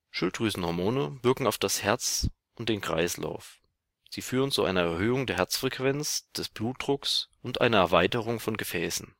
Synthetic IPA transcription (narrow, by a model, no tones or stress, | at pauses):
ʃʊltʁyːzn̩hɔɐmoːnəvɪɐkŋ̩aʊfd̥ashɛɐt͡s | ʔʊnt̚d̥eːnkʁ̥a̰ɪsla̰ʊf | z̥iːfyːʁ̞ənt͡suʔa̰ɪnɐɛɐhøːʊŋdeːɐɦɛɐt͡sfʁ̥ɛkv̥ɛnt͡sd̥ɛsb̥luːt̚d̥ʁʊksʔʊntʔa̰ɪnɐɛɐvaɪtəʁ̞ʊŋfɔnɡəfɛːsn̩